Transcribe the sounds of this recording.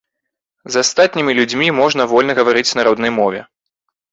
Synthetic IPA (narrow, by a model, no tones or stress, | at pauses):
zast̪at̪ʲnʲimʲilʲud͡zʲmʲimɔʐnɐvɔlʲnɐɣɐvaɾɨt͡sʲnaɾɔd̪nɐjmɔvʲɛ